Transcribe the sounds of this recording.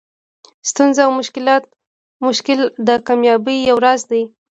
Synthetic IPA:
st̪unzaawmʊʃkɪlɑt̪̚ | mʊʃkɪld̪əkɑmjɑbəjːawɾazd̪aj

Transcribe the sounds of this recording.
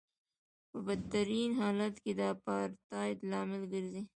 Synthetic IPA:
pəbɐd̪t̪ɐɾiːnɦɑːlat̪kid̪ɑːpɑːɾt̪ɑːɪd̪lɑːmɪlɡəɾzi

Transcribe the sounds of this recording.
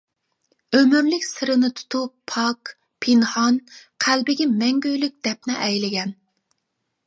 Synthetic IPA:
ømymlɪkʲsɨɾɨnɨt̪ʰu̥t̪ʰupʰɑk | pʰinhɑnqʰælbɪɡʲɛmɛŋɡʲøjlyk̚ʲd̪̥ɛp̚nɪʔɛjlɪɡʲɛn

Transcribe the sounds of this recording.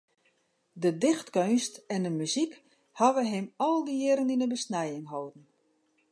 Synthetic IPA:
dədɪxtkønstɛndəmyzik | haʋəɦɪmɔlˠdəɪɾəninəbəsnɛjɪŋɦoːdən̩

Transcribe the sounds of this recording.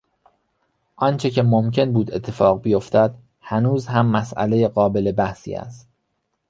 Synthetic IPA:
ʔɒːnt͡ʃʰecʰemomcʰe̞nbuːd̪e̞̰t̪ʰːe̞fɒːɣbijo̞ft̪ʰæd̪̥ | hænuːzhæmːæsʔæ̰le̞jeɢɒːbe̞lebæhsḭːæ̰st̪̚

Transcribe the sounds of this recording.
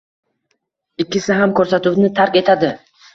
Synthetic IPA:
ɪkʲːɪsɪɦamkʰɵɾsat̪uwnɪt̪ʰaɾkʲe̞t̪ʰad̪ɪ

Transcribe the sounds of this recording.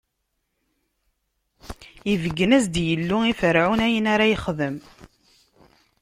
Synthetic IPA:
ivəɡːənæzd̪jəlːʊifəɾʕunæjənaɾajiχðəm

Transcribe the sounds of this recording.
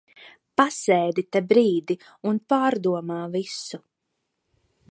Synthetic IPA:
pasɛːd̪it̪ɛbɾiːd̪i | unpaːɾd̪uɔmaːvisu

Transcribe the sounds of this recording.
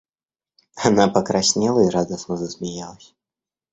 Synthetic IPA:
anapɐkɾasʲnʲɛlˠɐiɾad̪ɐsnɐzɐsʲmʲɛjalˠɐsʲɐ̥

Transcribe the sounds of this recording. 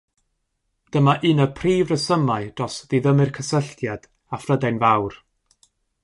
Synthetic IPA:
d̥əmaʔɨnəpʰriːvrəsəmaɨd̥rɔsðiðəmɨrkʰəsəɬtʰjad̥ | afrədɛnvawr

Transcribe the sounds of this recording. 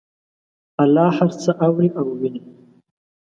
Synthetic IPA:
alɑːhaɾt͡səʔawɾiʔawːini

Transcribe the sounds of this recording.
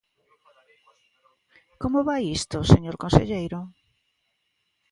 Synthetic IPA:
komoβajist̪oseɲoɾkõnsḛʎejɾʊ

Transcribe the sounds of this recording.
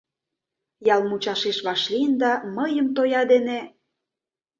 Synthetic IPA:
jɑlˠmut͡ɕɑʃeʃβɑʃlind̪ɑməjəmt̪ojɑd̪ene

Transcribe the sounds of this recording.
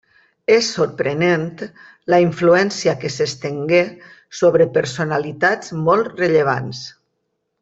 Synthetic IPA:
esːoɾpɾenent̪ | laiɱfluɛnsiakesest̪eŋɡe | soβ̞ɾəpəɾsonalit̪ad͡zmɔlˠt̪reʎeβ̞a̰ns

